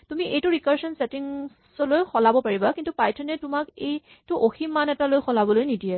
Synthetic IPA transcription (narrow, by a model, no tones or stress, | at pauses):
tumiʔejtuɹikaɹsɔnsetiŋ | sɔlojxɔlabɔpaɹibakintupajtʰɔnɛtumakej | tuʔoximːanɛtalojxɔlabɔlojnidiɛ